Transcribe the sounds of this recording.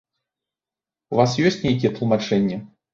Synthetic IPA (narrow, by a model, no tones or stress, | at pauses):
uvasjɔsʲtʲt͡sʲnʲejkʲijɛt̪lˠmat͡ʂɛnʲːɛ